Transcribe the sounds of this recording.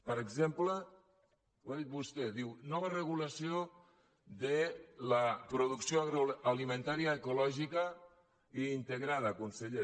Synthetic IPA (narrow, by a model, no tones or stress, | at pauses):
pəɾəɡzemplə | wðit̪̚βust̪eðiwnɔβərəɣ̞ulasio | ðələpɾuðuksioalimẽnt̪aɾiaːkulɔʒikə | iːnt̪əɣɾað̞əkunseʎe